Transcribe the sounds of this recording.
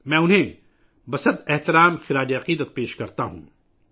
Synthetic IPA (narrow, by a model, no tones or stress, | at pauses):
mɛ̃ːʊnɦẽ | bɐsəd̪ɛɦt̪ɪɾaːmxɪɾaːd͡ʒiɐqiːd̪ət̪̚peːʃkɐɾt̪aɦṵ̃ː